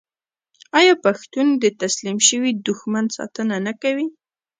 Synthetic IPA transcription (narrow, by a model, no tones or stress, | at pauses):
ɑjɑpaxt̪und̪ət̪aslimʃəwid̪ʊxmansɑ̰t̪ənanakawi